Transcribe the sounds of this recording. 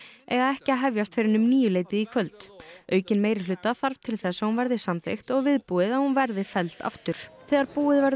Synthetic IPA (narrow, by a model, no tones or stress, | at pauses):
ɛɣaðɛhcɪaɦɛvjast̪fɪːɾɪnʏmniːjʏleːjt̪ɪðikʰvœlt̪œːɥcɪnmeːjɾɪlʏːt̪aθaɾv̥t̪ʰɪlθɛsːahunvɛɾðɪsamθext̪ɔɣvɪðpuɪðahunvɛɾðɪfɛlt̪ʰa̰ft̪ʏɾ̥θɛːɣaɾpuːɪðvɛɾ